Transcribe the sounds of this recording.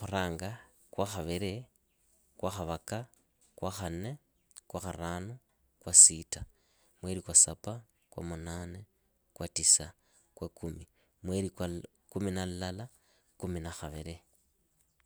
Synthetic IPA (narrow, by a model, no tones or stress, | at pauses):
xuɾaːŋɡa | kwaxaβiɾe | kwaxaβaka | kwaxane | kwaxaɾaːno | kwasita | mwe̞ɾikwasapa | kwa̰munaːne | kwatisa | kwakumi | mweɾikwa | kuminallala | kuminaxaβiɾe